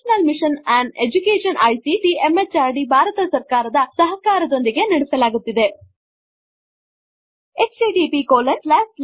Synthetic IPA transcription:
nɐlmiʂɐnæɳɖed͡ʒukeːʂɐnɐjsiʈiemet͡ʃaːɾɖibʱaːɾɐt̪ɐsɐɾkaːɾɐd̪ɐsɐɦɐkaːɾɐd̪o̞nd̪iɡe̞nɐɽɛsɐlaːɡut̪ːid̪e̞ | et͡ʃiɖiːpikoːled͡ʒlaːs

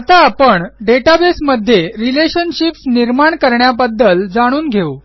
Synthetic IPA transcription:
t̪aːpəɳɖeʈabesməd̪ʱːjeɾileɕənɕipsniɾmaɳkəɾɳjabəd̪ːəld͡zaɽ̃uːnɡʱeu

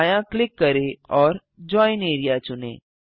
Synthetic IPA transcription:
jãklɪkːəɾeɔːɾ | d͡ʑɔineːɾijat͡ɕʊnḛ̃ː

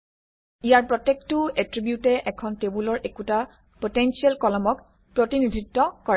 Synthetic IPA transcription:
ijaɹpɹɔtːek̚tʊɛtɹibjutɛʔɛkʰɔntebulɔɹʔekuta | potensiɛlkɔlɔmɔk | pɹotinid̪ʱitːɔkɔɹɛ

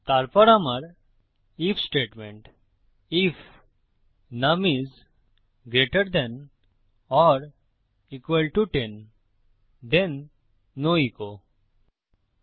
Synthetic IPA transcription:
t̪aɾpɔɾamaɾ | ifʰsʈeʈmẽɳʈ | if | namiz | ɡɾeʈəɾd̪ɛ̃n | ɔɾ | ikʋəlʈuʈẽn | d̪ẽnː | oiko

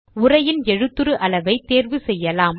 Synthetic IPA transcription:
ʊrɐjɪnɛɻɯt̪ːɯɾɯʔɐlɐʋɐɪt̪ːeːɾʋɯsɛjːɐlaːm

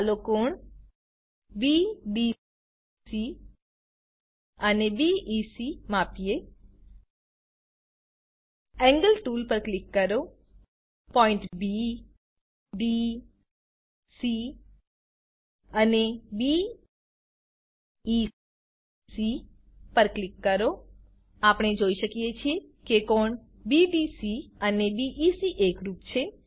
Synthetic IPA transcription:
loːkoːɳ | biːbiː | si | ɐnebiːʔiːsimaːpije | ɛŋɡəlʈuːlpɐɾklikːɐɾoː | pɔːiɳʈbi | biː | si | ənebi | i | si | pəɾklɪkːəɾo | apɽ̃ed͡ʒoiʃəkiet͡ʃʰie | kekoɳ | biɖisiənebiʔisiʔekɾupt͡ʃʰe

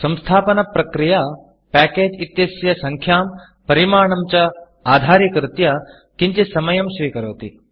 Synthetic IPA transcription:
sɐ̃mst̪ʰaːpɐnɐpɾɐkɾija | pæːkeːd͡ʒit̪jɐsjɐsɐŋkʰjaːm | pɐɾimaːɳɐmt͡ʃɐ | aːd̪ʱaːɾikɾɪt̪jɐ | kiɲt͡ʃisɐmɐjɐmʃʋiːkɐɾɐːt̪i

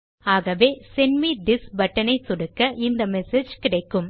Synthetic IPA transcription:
aːɣɐʋeːsɛnmid̪ɪsbɐʈːɐnɐɪsʊɽɯkːɐʔɪnd̪ɐmɛsed͡ʒkɪɽɐɪkːɯm

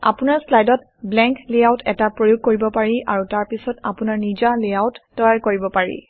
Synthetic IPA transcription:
a̰pʊnaɹslajdɔt | blɛ̃ŋkleawtʰɛtapɹojuɡ̚koɹibɔpaɹiʔaɹutaɹpisɔtapʊnaɹnid͡ʒaleawtːɔɹaɹkoɹibɔpaɹḭ

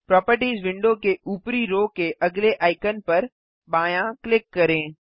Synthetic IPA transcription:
pɾɔːpəɾʈiːzʋɪ̃ɳɖokeʔuːpɾiɾoːkeʔɐɡleʔaːɪkənpɐɾ | baːjãklɪkːɐɾẽː

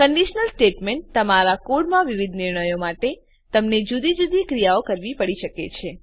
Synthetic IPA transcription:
kəɳɖiʃnəlsʈeʈmeɳʈ̚t̪əmaɾakuɽmãʋiʋid̪ʱnɪɾɳəjomaʈe | t̪əmned͡ʒud̪id͡ʒud̪ikɾijaokəɾʋipəɽiʃəket͡ʃʰe

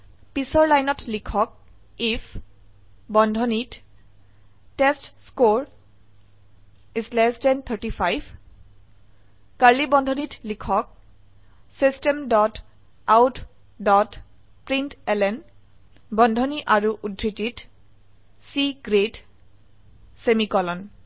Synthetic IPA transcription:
pisɔɹlajnɔtlikʰɔk̚ | ifʰ | bɔndʱɔnit | testskoɹ | islɛstɛnt̪ʰəɹtifʰajbʱ | kaɹlibɔndʱɔnitlikʰɔk̚ | sistɛmdɔt | awtʰ | dɔt | pɹintɛlɛn | bɔndʱɔniʔaɹuʔudʱːitit | siɡɹet | semikɔlɔn

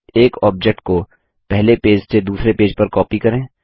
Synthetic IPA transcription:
eːkɔːb̚d͡ʒɛk̚ʈ̚ko | pɛɦlepeːd͡ʒsed̪uːsɾepeːd͡ʒpɐɾkɔːpikɐɾẽː

